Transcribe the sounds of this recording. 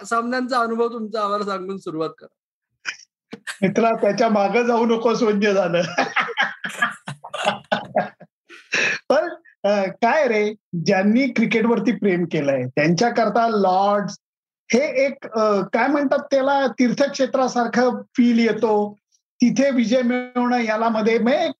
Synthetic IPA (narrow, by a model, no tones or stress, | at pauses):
samnjant͡saənubʱəʋt̪umt͡saːʋalsãŋɡuːnsuɾuʋat̪̚kəɾa | it̪ʰlat̪jat͡ɕjamaɡəd͡zʱauːnəkosʋəɲjəd͡zʱaləː | pəɾ | əkajɾed͡ʑjanːiːkɾikeʈʋəɾt̪̬iːpɾemkelajet̪jaɲt͡ɕjakəɾt̪alɔɾɖd͡z | heekəkajm̤əɳt̪at̪ːjalat̪iɾt̪ʰəkʂet̪ɾasaɾkʰəːfiːljet̪o | t̪it̪ʰeʋid͡ʑəjmiɭɳəjalaməd̪ʱːjeme